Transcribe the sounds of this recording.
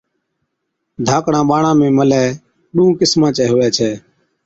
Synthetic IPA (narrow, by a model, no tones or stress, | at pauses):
d̪ʱaːkɽãːɓaːɳãːmẽːməlɛː | ɗuũːkɪsmãːt͡ʃɛːɦʊʋɛːt͡ʃʰɛː